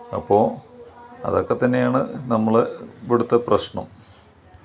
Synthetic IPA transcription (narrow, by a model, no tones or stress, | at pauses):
ɐ̰pːo̞ː | ɐ̰ðokːet̪ːɐnːe̞jaːɳɨnɐmːɐɭʋiɽut̪ːɐprɐɕɳɐ̰m